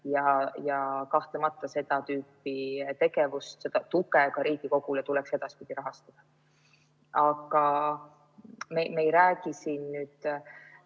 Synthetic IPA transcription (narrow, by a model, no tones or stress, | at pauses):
jɑjɑkɑht̪lemɑt̪ːˑɑse̞d̪̥ɑt̪yːpːit̪e̞ɡe̞vust̪se̞d̪̥ɑt̪ukˑekɑɾiːɡ̥iko̞ɡ̥ulet̪ulɛkse̞d̪̥ɑspid̪̥iɾɑɦɑst̪ɑd̪̥ɑ | ɑɡɑ | memejɾæːɡ̥isinnyːd̪̥